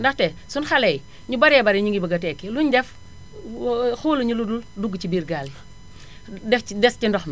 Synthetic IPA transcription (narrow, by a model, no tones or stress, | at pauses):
ndɐxtɛsunxɐlɛj | ɲubɐɾɛbɐɾɛɲiŋɡibɐɡɐtɛkːiluɲdɛf | xuːluɲuludulduɡːcibiːrɡaːl | dɛfdɛscindɔxmɐ